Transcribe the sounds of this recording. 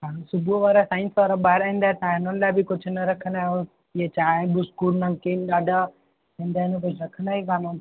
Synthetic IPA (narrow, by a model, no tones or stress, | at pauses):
ɦãːsʊbʱuʋaːɾasãːɪ̃nsʋaːɾaɓaːɪɾaɦĩnd̪aːet̪ɐãɪnənlaːɪbʱikʊd͡ʒʱʊnɐɾɐkʰənd̪aːɦõ | iet͡ʃãːbʊskuɾnɐ̃ŋkinɗaːɖʱa | ĩːnd̪aːɦɪnõk̬ʊd͡ʒʰɾɐkʰənd̪aːɦikaːnõ